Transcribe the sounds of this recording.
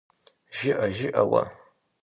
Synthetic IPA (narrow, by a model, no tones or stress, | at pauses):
ʒɪʔɐʒɪʔɐwɐ̰